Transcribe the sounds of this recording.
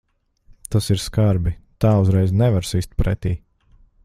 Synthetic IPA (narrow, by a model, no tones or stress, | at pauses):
t̪asiɾskaɾbit̪aːuzɾɛjznɛvaɾsist̪̚pɾɛt̪iː